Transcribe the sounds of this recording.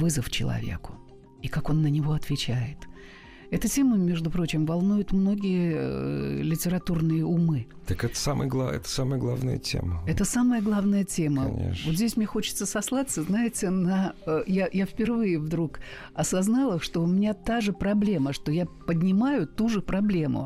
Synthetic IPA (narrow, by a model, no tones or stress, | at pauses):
vɨzəft͡ɕɪ̰lˠɐ̰vʲḛkʊ̥ | ikako̞nːənʲɪvo̞ɐt̪vʲɪt͡ɕæjɪt̪ | ɛt̪ʊtʲe̞məmʲe̞ʐd̪ʊpɾo̞t͡ɕɪmvɐlˠnujʊt̪mno̞ɡʲɪjə̰ | lʲɪtʲɪɾɐt̪urnɨjəumɨt̪əkɛt̪ə̥samə̰jəɡlˠaɛ̰t̪ə̥saməjəɡlˠavnə̰jə̰tʲḛməɛt̪əsaməjəɡlˠavnəjətʲemə̰nʲḛʂvot̪zʲdʲesʲmnʲexo̞t͡ɕɪ̥t̪səsɐslˠat̪səznajɪtʲɪnɐəjajafpʲɪrvɨjɪvd̪ɾuk | ɐsɐznalˠəʂt̪o̞ʊmʲɪnʲat̪aʐɨpɾɐblʲe̞məʂt̪o̞japədʲnʲɪmajʊt̪uʐɨpɾɐblʲe̞mʊ̰